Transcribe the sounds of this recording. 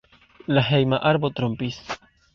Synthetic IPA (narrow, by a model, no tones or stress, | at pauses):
laɦejmaʔaɾbo̞t̪ɾompis